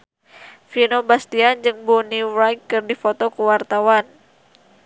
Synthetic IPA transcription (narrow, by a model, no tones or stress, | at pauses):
finobast̪iand͡ʒɨŋbɔniɾajkːɨrdifɔt̪ɔkuwart̪awan